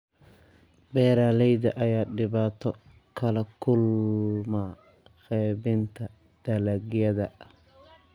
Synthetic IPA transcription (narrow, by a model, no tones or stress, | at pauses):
bɛːɾaːlɛjðɐʔɐjaːɖɪβaːt̪ʰɔ | kʰɐlɐkʰʊlma | xɛːbɪnt̪ʰɐ | d̪̥ɐlɐɡjɐðɐ